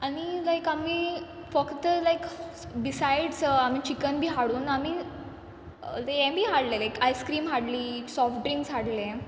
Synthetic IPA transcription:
añilajkamiː | fəkt̪əlajkbisajɖsamiːt͡ɕikənbʱiːɦaɽuːnami | leɛ̃bʱiːɦaɽlelajkʰajskɾiːmɦaɽliːsɔfʈɾĩŋɡsɦaɽle

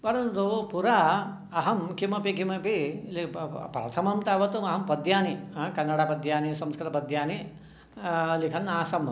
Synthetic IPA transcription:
pɐɾɐnt̪upuɾaː | ɐɦɐmkimɐpikimɐpilipɾɐ̰t̪ʰɐmɐmt̪aːʋɐt̪umɐɦɐmpɐd̪ʱjaːniɦɐkɐnːɐɽaːpɐd̪ʱjaːnisɐmskɾt̪ɐpɐd̪ʱjaːni | likʰɐnːaːsɐm

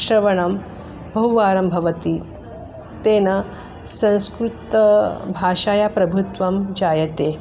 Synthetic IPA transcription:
ʃɾɐʋɐɳɐm | bɐɦuʋaːɾɐmbʱɐʋɐt̪i | t̪eːnɐ | sɐ̃w̃skɾut̪ɐbʱaːʂaːjapɾɐbʱut̪ʋɐmd͡ʒaːjɐt̪e

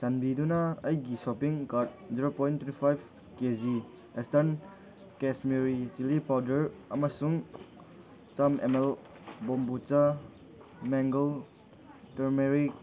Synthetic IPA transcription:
sanbidunɐɐjɡisɔpiŋkaɾt̚ziɾopɔjntʰwetipʰajb | kezi | estan | kesmeɾisilipawdɐɾɐmɐsuŋ | t͡ʃamemel | bombut͡ʃa | mɛŋɡol | teɾmeɾi

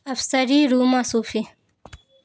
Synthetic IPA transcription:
ɐfsɐɾiːɾuːmaːsuːfi

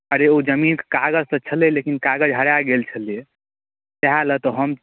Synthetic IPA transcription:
əɾeod͡ʒəminke̥kaɡəd͡ʒsət͡ʃʰəlilekinkaɡəd͡ʒɦəɽaɡelt͡ʃʰəlije | teɦalət̪ɔɦəm

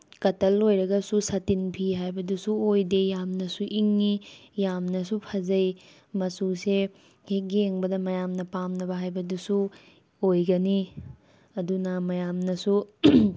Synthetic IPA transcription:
kɐtɐlojɾɐɡɐsusɐtinpʰiɦajbɐdusuojdejamnɐsuʔiŋːijamnɐsupʰɐzɐj | mɐsuse | hek̚ɡieŋbɐdɐmɐjamnɐpamnɐbɐɦajbɐdusu | ojɡɐni | ɐdunɐmɐjamnɐsu

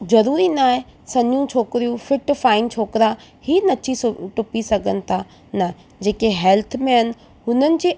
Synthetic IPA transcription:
zɐɾuːɾinaːɦẽsɐnijũt͡ɕʰoːkɪɾijũfɪʈfaːɪnt͡ɕʰoːkɾahiːnɐt͡ɕisʈʊpisɐɡʱənɪ̆t̪ʰa | nɐ | d͡ʑeːkeɦɛːlt̪ʰmẽɦɐnɪ̆ | ɦʊnənɪ̆d͡ʑeː

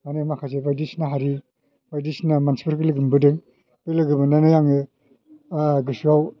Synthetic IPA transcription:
manemakʰasebajdisnaɦaɾi | bajdisnamansi̥pʰɯɾkɯlɯɡɯmbɯdɯŋ | bɯlɯɡɯbɯnanajaŋɯ | ɡɯsaw

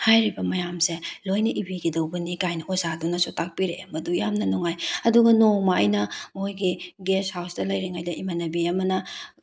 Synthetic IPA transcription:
hajɾibɐmɐjamselojnɐʔibiɡidɐwbɐnikajnɐʔozadunɐsotak̚piɾemɐdujamnɐnɔŋajɐduɡɐnomaɐ̰jnɐmojɡiɡeshawsdɐlɐjɾeŋajdɐimanɐbiɐmɐnɐ

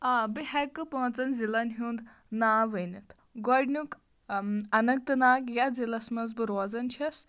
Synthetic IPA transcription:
ɐbiɦɛkːɨpoɦɐ̃nt͡sɐnzilɐnɦuːnd̪ | naːʋɨnit̪ʰ | ɡɔɖnuk | ɐnɐk̚t̪ɨnaːkjazilɐsmɐnzbɨɾoːzɐnt͡ʃʰɐs

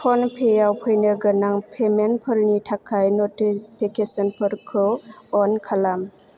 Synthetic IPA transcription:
pʰɔnpʰejawpʰɯjnɯɡənaŋpʰemenpʰɯɾnitʰakʰːajnɔtipʰikesɔnpʰɯɾkʰɯɔnkʰalam

